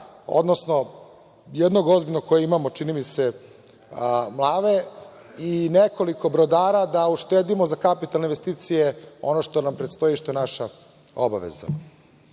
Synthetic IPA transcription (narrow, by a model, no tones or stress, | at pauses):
o̰d̪nosno̞ | jɛd̪no̞ɡo̞zbilʲnokojeimamot͡ʂinimise̞ | mlˠaːde | ineko̞liko̞bɾod̪aːɾad̪auʃt̪eːd̪imozakapit̪alneinʋest̪iːt̪sijeo̞̰noʃt̪o̞nampɾet̪st̪ojiʃt̪oenaʃa | obaʋḛza̰